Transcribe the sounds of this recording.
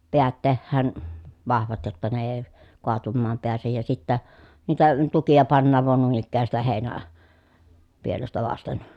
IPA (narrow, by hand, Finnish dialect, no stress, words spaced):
peæt tehːæːn ʋɑhʋɑt jotːɑ ne eː koɑtumːɑːm peæsej jɑ sitːæ niːtæ tukijɑ pɑnːɑːʋ ʋɑn nuin ikːæː sitæ heˑi̯næ pielestæ ʋɑsten